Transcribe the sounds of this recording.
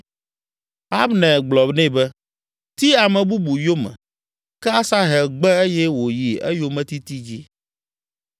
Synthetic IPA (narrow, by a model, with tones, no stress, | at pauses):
a˦bnɛ̃˨ɡ͡blɔ˨bnɛ̃˦˨bɛ˦ | t̪i˦a˨mɛ̃˨bu˦bu˨jo˦mɛ̰̃˨ | kɛ˦a˦sa˦ɦɛ˨ɡ͡bɛ˦e˦jɛ˦wo˨ji˨ɛ̰˦jo˦mɛ̃˦t̪i˦t̪i˦d͡ʑi˦